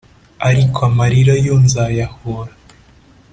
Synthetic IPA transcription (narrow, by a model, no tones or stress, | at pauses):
aɾikʰoamaɾiɾajonzajahoɾa